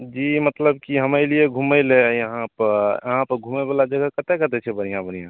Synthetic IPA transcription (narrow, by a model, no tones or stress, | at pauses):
d͡ʒimət̪ləbkiɦəməɪlieɡʱuməɪlejəɦãpəɾəɦãpəɾɡʱumɛbelad͡ʒəɡʱəkət̪ekət̪ɛt͡ʃʰɛbən̤ijãbən̤ijã